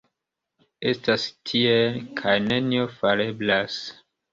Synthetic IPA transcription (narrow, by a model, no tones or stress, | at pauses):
e̞stastʰiekʰajne̞niofale̞blas